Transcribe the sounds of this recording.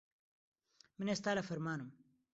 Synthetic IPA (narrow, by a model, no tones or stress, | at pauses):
mənest̪aːlafɐɾmaːnum